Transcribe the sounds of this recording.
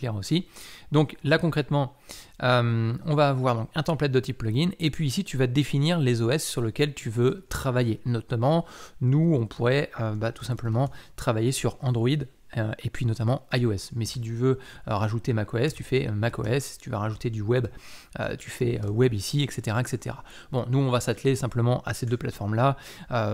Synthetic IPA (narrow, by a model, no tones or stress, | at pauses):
lɛʁosid̪ɔ̃klakɔ̃kχɛt̪mɑ̃ømɔ̃vavwaʁd̪ɔ̃kɛ̃t̪ɑ̃plɛt̪̚d̪ət̪ipːlɔɡʲinepɥiːsit̪yvad̪efiniʁlezoɛsːyʁləkʲɛlt̪ʰyvøt̪χavajenɔt̪amɑ̃nuɔ̃pʰuʁɛøbat̪u̥sɛ̃pləmɑ̃t̪χavajesyʁɑ̃d̪ʁɔid̪ | øepɥinɔt̪amɑ̃ajoɛsmɛsit̪yvøʁaʒut̪emakoɛst̪yfɛø̰mako̰ɛsi̥t̪yva̰ʁaʒut̪ed̪ywɛb | ø̰t̪ʰy̥fɛøwɛbisiɛkset̪eʁaɛkset̪ḛʁa | bɔ̃nuɔ̃vasat̪lesɛ̃pləmɑ̃ʔa̰sed̪øplat̪fɔʁmla | ø